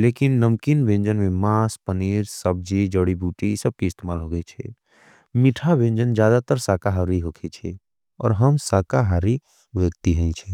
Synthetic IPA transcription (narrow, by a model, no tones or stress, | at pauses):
leːkɪnːəmkinbẽːɲd͡ʒənmẽmaːspəniːɾsəb̚d͡ʒid͡ʒəɽibʱuːʈisɐb̚kiɪst̪eːmaːlɦoɡəet͡ʃʰɛ̰ | mɪʈʰabẽːnd͡ʒənd͡ʒjaːd̪at̪əɾsaːkaɦaɾiɦoːkʰet͡ʃʰɛ | ɔ̰ːɾɦəmsaːkaɦaɾi | ʋəɡt̪iɦɛ̃ĩt͡ʃʰɛː